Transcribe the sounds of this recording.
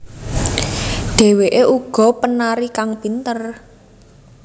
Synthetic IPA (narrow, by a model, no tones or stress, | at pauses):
ɖ̥e̤weʔeʔuɡ̥ɔ̤pənaɾikaŋb̥i̤nt̪ər